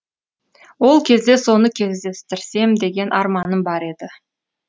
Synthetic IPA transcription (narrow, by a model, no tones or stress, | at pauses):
wo̞lˠkʲʰe̞zd̪e̞so̞nəkʲʰe̞zd̪e̞st̪ɪɾse̞md̪e̞ɡʲe̞nʔɑɾmɑnəmbɑɾe̞d̪ɪ